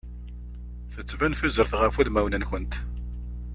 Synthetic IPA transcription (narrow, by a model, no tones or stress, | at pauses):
θət͡sːvænθuzəɾθʁəfuðmæwnənçənt̪